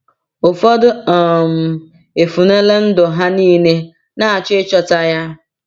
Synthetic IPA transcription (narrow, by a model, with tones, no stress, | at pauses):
ʊ˨fɔ˦dʊ˦ɔ˨m̩˨ | e˨fu˨ne˦le˦n̩˦dʊ˨ɦa˦niː˦ne˦ | na˦˨a˨t͡ʃɪ˦t͡ʃɔ˨ta˦ja˦